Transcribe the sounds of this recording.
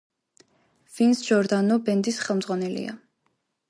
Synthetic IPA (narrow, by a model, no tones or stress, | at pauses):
vinsd͡ʒɔɾd̪anɔbɛnd̪isχɛlˠmd̪zʁwanɛlḭa̰